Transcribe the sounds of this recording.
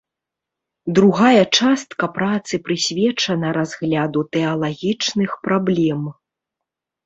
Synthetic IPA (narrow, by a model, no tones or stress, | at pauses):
d̪ɾuɣajɐt͡ʂast̪kɐpɾat̪sɨpɾɨsʲvʲɛt͡ʂɐnɐɾazɣlʲad̪ut̪ɛɐlˠaɣʲit͡ʂnɨxpɾablʲɛm